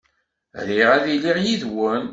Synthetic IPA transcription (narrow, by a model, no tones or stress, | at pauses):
liʁæðiliʁjiðwən